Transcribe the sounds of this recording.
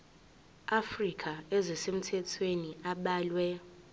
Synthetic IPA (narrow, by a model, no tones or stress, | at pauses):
afrikʰʼaezisem̩tʰɛtʰweniaɓaːlwɛ